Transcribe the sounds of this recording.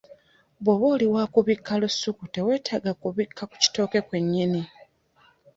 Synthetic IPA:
βwoβoːliwaːkuβikʰːalusːukute̞we̞ːtʰaːɡakuβikʰːaku̥ci̥to̞ːke̞kwe̞ɲːini

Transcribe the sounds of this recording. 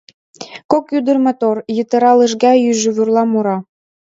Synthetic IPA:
kokjyd̪ə̆rmɑt̪orjət̪ɤ̆ɾɑlə̆ʃ̬ɡɑjyʒɘβurlˠɑmuɾɑ

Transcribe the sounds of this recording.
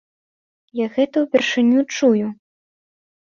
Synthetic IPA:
jaɣɛt̪ɐwpʲɛrʂɨnʲut͡ʂuju

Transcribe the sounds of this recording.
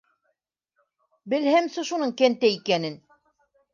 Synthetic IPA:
bɘ̆lhæmsɤ̆ʃunɤɴkænt̪æikænɘn

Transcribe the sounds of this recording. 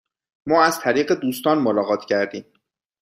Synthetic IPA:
mɒːæz̥t̪ʰæɾiːɢe̞d̪uːst̪ɒːnmolɒːɣɒːt̪ʰcʰæɾd̪iːm

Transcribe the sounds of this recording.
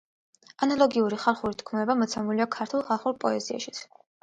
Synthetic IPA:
analˠɔɡiuɾiχalˠχuɾit̪ʰkʰmɛbamɔt̪sʰɛmuliakʰaɾt̪ʰulˠχalˠχuɾpʼɔɛzia̰ʃi̥t̪sʰ

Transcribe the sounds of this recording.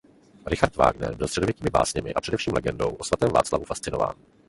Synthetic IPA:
ɾɪxaɾt̪va̰ːɡnɛ̰ɾbɪlstr̥ɛdovjɛciːmɪba̰ːsɲɛmɪ̰ʔapr̥ɛdɛfʃiːmlɛɡɛndo̞̰wʔosvat̪ɛːmva̰ːt͡slavufast̪t͡sɪno̞va̰ːn

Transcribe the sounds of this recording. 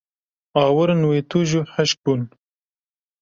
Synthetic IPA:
ɑːwəɾnweːt̪uʒuħaʃk̚bun

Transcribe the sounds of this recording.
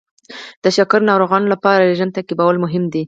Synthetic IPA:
d̪̥əʃakaɾnɑɾoɣɑnolapɑɾaleʒənt̪akibawalmʊɦɪmd̪i

